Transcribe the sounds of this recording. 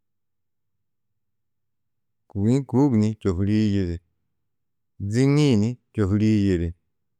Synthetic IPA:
ku˨ɡnĩ˦ku˨˦ɡnĩ˦t͡ʃo˨fɾi˦je˨ɾe˨ | d͡zi˦nĩ˦˨nĩ˦t͡ʃo˨fɾi˦je˨ɾe˨

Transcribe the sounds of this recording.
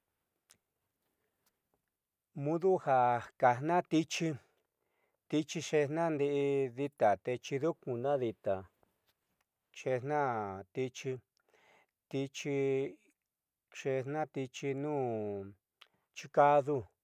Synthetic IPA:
mũ˧ðu˦ha˨kḁ˨nã˦t̪i˧t͡ʃi˧ | t̪i˧t͡ʃi˧ʂe˧hnã˦˧nd̪i˧ʔi˧ði˧t̪a˨t̪e˧t͡ʃi˧ðu˦kũ˨nã˦ði˧t̪a˨ | ʂe˧nnã˦t̪i˧t͡ʃi˧ | t̪i˧t͡ʃi˧ | ʂe˧nã˦t̪i˧t͡ʃi˧nũː˦˨ | t͡ʃi˧ka˧ðu˧

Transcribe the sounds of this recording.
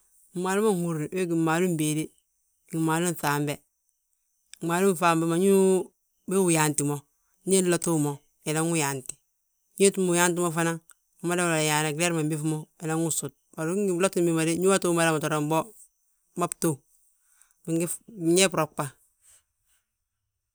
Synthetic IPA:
i˨maː˨lu˦mo˦hu˨ɾi˨we˦ɡi˨ma˨lu˦be˨de˦ | ɡi˨ma˨lu˦n˨faː˨mbe˦˨ | maː˨lu˦n˨faː˨mbe˦ma˨ɲu˦ | be˦wu˨ja˨nti˨mo˦ | ɲe˦lo˦to˦mo˨ | e˨la˦ŋu˦ja˨nti̥˨ | ɲe˦tu˦mu˨ja˦nt̬i˦mo˦fa˦na˦ŋ | u˨ma˦da˦m˨a˨la˨ja˨na˨ɡle˦ɾma˨mbi˦fmo˦e˨la˦ŋu˦su˨t̚ba˨ɾɡi˨˦lo˦ti˦mbi˦ma˨de˦ɲu˦wa˦to˦mo˦la˨ma˨to˨ɾo˨mbo˦ | ma˦pto˦˨ | bi˨ŋɡi˨ɲe˦pɾo˨k͡pa˨

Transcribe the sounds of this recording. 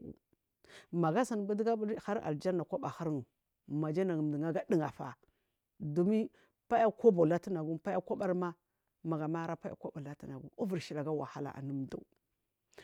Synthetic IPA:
ma˨ɡa˦sa˨n˨bu˦dɡa˦bha˦ɾa̰˨ld͡ʒa˦na˨kʷa˦ba˨ha˦ɾŋu˨ | ma˨d͡ʒa˦na˨ɡm˨di˨ŋa˦ɡa˦di˦ŋa˨fa̰˨ | du˨mi˦ | pa˦ja˦ko˦ba˨la˦ti˦na˨ɡu˦pa˦ja˦kʷo˦ba˨ɾma˦ | ma˨ɡa˨ma˦ɾa˦pa˦a̰˨kʷo˦ba˨la˦ti˦na˨ɡṵ˦u˦vu˨ʃi˨la˨ɡa˦wa̰˨ha˦la̰˨ʔa̰˨nu˦mdṵ˦

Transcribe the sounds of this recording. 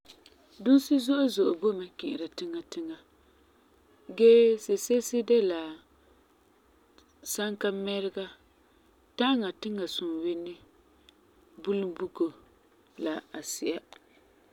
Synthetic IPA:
dʊ˦nsi˦zʊ˦ʔo˦zʊ˨ʔo˨bo˦ma˨kɪ˨ʔɪ˨ɾa˨tɪ˦ŋa˨tɪ˦ŋa˨ | ɡɛ˦se˨se˦sɪ˦dɛ˦la˨ | sa˦ŋka˦mɛ˦ɾɪ˦ɡa˦ | ta˦ŋa˨tɪ˦ŋa˨sʊ˨nwɪ˦nːɪ˦ | bu˦lu˦mbu˦ko˨ | la˨a˨sɪ˨ʔa˦

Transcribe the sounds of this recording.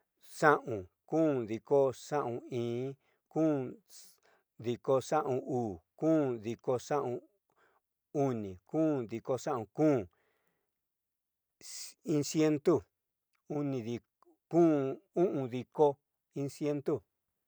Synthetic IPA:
ʂã˦ʔũ˨kũː˦ði˧ko˦ʂã˦ʔũ˧ĩː˨˦ | kũː˦ | ði˧ko˧ʂã˦ʔũ˧uː˨kũː˦ði˧ko˧ʂã˦ʔũ˧ | u˦nĩ˨kũː˦ði˧ko˧ʂã˦ʔũ˧˨kũː˦ | i˦nsje˦nt̪u˦˨ | u˦nĩ˧ði˧ | kũː˦ũ˦ʔũ˧ði˧ko˦ | ĩ˧nsje˦nt̪u˦˨

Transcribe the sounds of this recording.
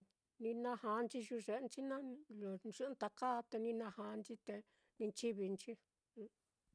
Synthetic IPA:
nĩ˧nã˦˧ha˧nt͡ʃi˧ʒu˧ʐe˧˨˧nt͡ʃi˦nã˦˧lo˨ʐɨ˧˦nt̪a˧ka˦˧t̪e˧nĩ˧nã˧ha˧˦˧nt͡ʃi˦t̪e˧ | nĩ˧t͡ʃi˦βi˧nt͡ʃi˦˧

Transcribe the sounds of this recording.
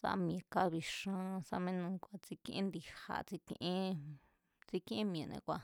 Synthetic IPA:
sa̰˧m̃˧ẽ˧ka˦βi˧ʃã˧sa˧mẽ˦nũ˧kʷa˧t͡si˧kĩ˧ʔẽ˦nd̪i˧ha̰˧t͡si˧kḭ̃˧ʔẽ˦ | t͡si˦kĩ˦ʔẽ˦mĩ˧ẽ˨nḛ̃˧kʷa˧

